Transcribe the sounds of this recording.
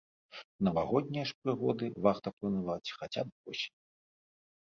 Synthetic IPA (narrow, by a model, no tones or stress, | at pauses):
nɐvaɣɔd̪̚ʲnʲijɐʂpɾɨɣɔd̪ɨvaxt̪ɐplˠɐnavat͡sʲxat͡sʲab̚bɔsʲi̥